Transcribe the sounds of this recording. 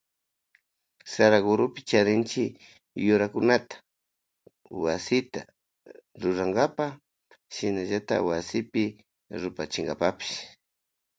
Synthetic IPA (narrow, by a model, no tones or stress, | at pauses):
saɾaɡʊɾʊpɪ̥t͡ʃaɾɪnt͡ʃɪ | jʊɾakʊnat̪ḁ | wasɪt̪a̰ | ɾʊɾaŋɡapa | ʃɪnaʒat̪a̰wasɪpɪ | ɾʊpat͡ʃɪŋɡapapɪ̥ʃ